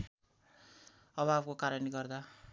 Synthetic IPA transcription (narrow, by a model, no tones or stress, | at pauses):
ʌbʌabkokaɾʌniɡʌrd̪a